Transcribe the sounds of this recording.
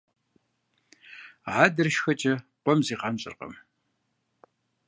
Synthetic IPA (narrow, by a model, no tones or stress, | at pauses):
ʕaːdɐrʃxɐt͡ʃʼɐqʷɔmziːqɑmɕʼɪ̰rqɐ̰m